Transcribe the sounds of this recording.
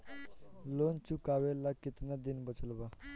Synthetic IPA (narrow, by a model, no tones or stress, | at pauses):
lont͡ʃukawelakit̪nad̪inbət͡səlba